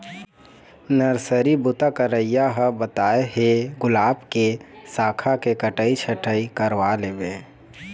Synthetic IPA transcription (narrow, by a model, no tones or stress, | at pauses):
nəɾsəɾibʊt̪akəɾəijaɦəbət̪aːeɦeɡʊlaːbkesaːkʰakekəʈəit͡ʃʰəʈəikəɾʋaleːbe